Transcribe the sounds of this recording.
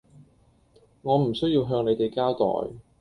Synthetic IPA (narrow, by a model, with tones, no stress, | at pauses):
ŋɔː˨˧m̩˨˩sɵ˥ɥjiː˧wɦœː˧ŋne˨˧jt̪e˨jkaː˥wt̪ɔ̰ː˨j